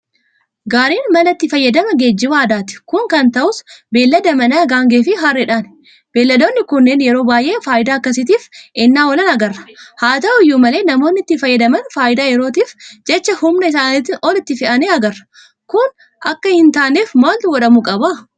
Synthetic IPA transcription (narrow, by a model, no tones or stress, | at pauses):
ɡaːɾiːnmɐlɐt̪ːɪfɐjːɐd̪ɐmɐɡeːd͡ʒːɪwaːd̪aːt̪ɪ̥kʊŋkɐnt̪ɐʔʊsbe̞ːlːɐd̪ɐmɐnaːɡaːŋɡeːfɪɦaːrːɛᶑaːn | b̥e̞ːlːɐd̪oːnːɪkʊnːeːnjɛɾoːbaːjʔe̞ːfaːʔɪd̪aːɐkːɐs̬ɪt̪iːfʔɪnːaːɔlɐnɐɡɐrːɐ̥haːt̪ɐʔʊɪjːuːmɐle̞ːnɐmo̞ːnːɪt̪ːɪfɐjːɐd̪ɐmɐnfaːʔɪd̪aːjɛɾo̞ːt̪iːfd͡ʒɛt͡ʃːɐhʊmnɐɪsaːnɪt̪ːɪʔɔlɪt̪ːɪfɪʔɐneːɐɡɐrːɐ̥ | kʊn | ʔɐkːɐhɪnt̪aːneːfmaːlt̪ʊwɔᶑɐmukʼɐba